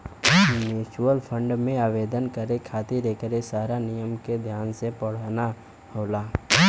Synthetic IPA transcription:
njuːt͡ʃəlpʰə̃ɳɖmẽaːʋeːd̪ənkəɾekʰaːt̪iɾekəɾesaːɾanijəmked̪ʱjaːnsepɐɽ̤aːna | hoːlaː

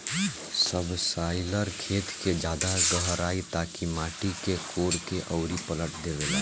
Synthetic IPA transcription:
səbsaːɪləɾkʰeːt̪ked͡ʒjaːd̪aɡəɦɾaːit̪aːkimaːʈikekoːɾkeʔɔʊɾipələʈd̪eʋelaː

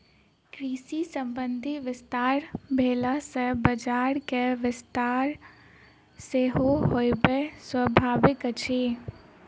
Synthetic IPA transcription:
kɾiːsisə̃mbənd̪ʱiʋɪst̪aːɾbʱeːlasebəd͡ʒaːɾkeʋɪst̪aːɾ | seɦoɦojbeswəbʱaːʋɪkət͡ʃʰiː

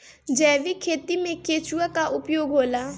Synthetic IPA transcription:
d͡ʒɛːʋikʰeːt̪imẽkeːt͡ʃuakaʔʊpjoːɡɦoːlaː

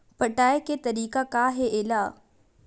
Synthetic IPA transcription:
pɐʈaːeket̪ɐɾiːkakaːɦeʔeːlaː

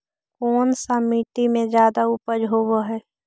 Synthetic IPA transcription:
koːnsamiːʈ̪imẽzjaːd̪aupəd͡ʒɦowoɦɛː

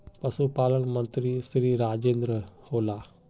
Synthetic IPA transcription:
pɐsupaːlənmɐ̃nt̪ɾisɾiːɾaːd͡ʒeːnd̪ɾəhoːlaː

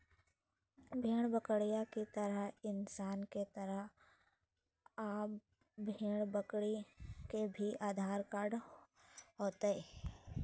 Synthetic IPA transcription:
bʱeːɽ̃bəkɽijakit̪əɾəɦɪnsaːnket̪əɾəɦ | aːp | bʱeːɽ̃bəkɽikebʱiʔaːd̪ʱaːɾkaːɾɖ | ɦoːt̪eeː

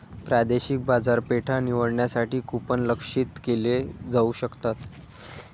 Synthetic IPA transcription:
pɾad̪eɕik̚bad͡zaɾpeʈʰaniʋəɽɳjasaʈiːkupənləkʂit̪keled͡zauɕəkt̪at̪

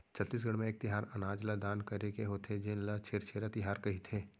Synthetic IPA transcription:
t͡ʃʰɐt̪ːiːs̬ɡɐɽmẽeːk̚t̪ɪɦaːɾɐnaːd͡ʒlad̪aːnkɐɾekeɦot̪ʰed͡ʒenlat͡ʃʰeːɾt͡ʃʰeːɾat̪ɪɦaːɾkɐɦit̪ʰeː

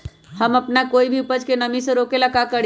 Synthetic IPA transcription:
həməpnakoːibʱipəd͡ʒkenəmisə̃ɾokelakakəɽ

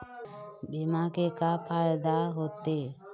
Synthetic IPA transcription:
bimakekapʰajd̪aɦot̪e

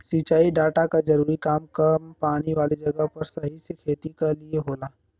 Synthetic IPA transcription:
sit͡ʃaːiɖaːʈakad͡ʒɐɾuːɾikaːmkɐmpaːɽ̃iʋaːlid͡ʒɐɡəɦpɐɾsɐɦisekʰeːt̪ikalieɦoːlaː

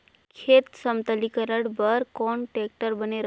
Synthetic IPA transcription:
kʰet̪səmt̪əlikəɾəɽbəɾkɔɳʈek̚ʈəɾbəneɾ

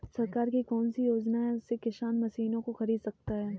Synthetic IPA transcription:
sɐɾkaːɾkikɔːnsijoːd͡ʒnaɦɛʊsːekɪʃaːnmɐsiːnõkoxɐɾiːd̪sɐk̚t̪aɦɛː

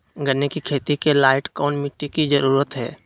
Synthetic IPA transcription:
ɡəɾnekikʰeːt̪ikelaːɪʈkɔːnmɪʈːikid͡ʒəɾuːɾət̪ɦɛ̰ː

